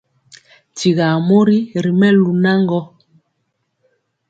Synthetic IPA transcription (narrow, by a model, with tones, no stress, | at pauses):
ti˨ɣa˨mo˦ɾi˦ɾi˨mɛ˦lu˨na˦ŋɡɔ˦